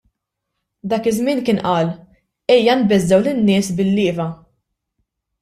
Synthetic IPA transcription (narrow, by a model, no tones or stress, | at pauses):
d̪ɐːkɪzmɪːnkɪːnʔɐːl | ɛjːɐnbɛzːɛwlɪnːɪːsbɪlːɪːvɐ